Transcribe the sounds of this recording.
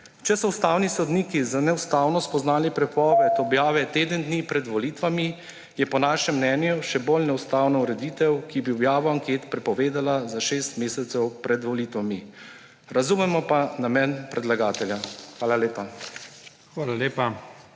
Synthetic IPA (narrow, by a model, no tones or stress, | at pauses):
t͡ʃɛsɔust̪aːwnisɔd̪niːkizanɛwst̪aːwnɔspɔznaːlipɾɛpɔːʋɛt̪ɔbjaːʋɛt̪eːd̪ənd̪niːpɾɛd̪ʋɔliːt̪ʋami | jɛpɔnaːʃɛmːnɛːnjuʃɛbolnɛwst̪aːwnɔuɾɛd̪iːt̪ɛwkibiɔbjaːʋaaŋkeːt̪pɾɛpɔʋeːd̪alazaʃeːst̪meːsɛt̪sɛwpɾɛd̪ʋɔliːt̪ʋami | ɾazuːmɛmɔpanamɛnpɾɛd̪laɡaːt̪ɛljaxʋaːlaleːpa | xʋaːlaleːpa